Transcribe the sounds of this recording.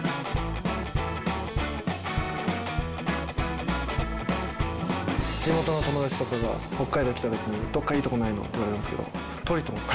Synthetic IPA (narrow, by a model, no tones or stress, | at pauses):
d͡ʑimo̞t̪o̞no̞t̪o̞mo̞d̪at͡ɕi̥t̪okoɾoɡaho̞kːaid̪eokʲi̥t̪ad̪akʲinoɲed̪o̞kːaiːt̪o̞ko̞naino̞̰iβaɾemasɨ̥ked̪o̰ | t̪oɾʲit̪om